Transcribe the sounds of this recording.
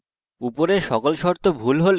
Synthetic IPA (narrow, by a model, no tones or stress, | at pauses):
upoɾeɾʃɔkolʃɔɾt̪ʰobʱulɦol